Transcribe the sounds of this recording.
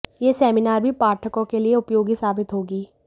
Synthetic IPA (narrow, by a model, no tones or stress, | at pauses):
jesɛːminaːɾbʱipaːɾʈʰəkõkelieʊpjoːɡisaːbɪt̪ɦoːɡiː